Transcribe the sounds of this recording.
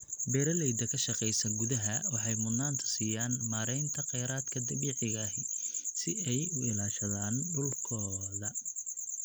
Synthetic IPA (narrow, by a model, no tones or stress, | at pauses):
bɛɾɐlɛjd̪ɐkʰɐʃɐqɛjsɐŋɡʊðɐɦɐwɑħɑjmʊnaːnt̪ʰɐ̥siːjaːnmaːɾɛjnt̪ʰɐqɛjɾaːd̪kʰɐd̪ɐβiːʕɪɣɐɦɪsɪɛjʊɪlaːʃɐðaːnɖʊlkʰɔːðɐ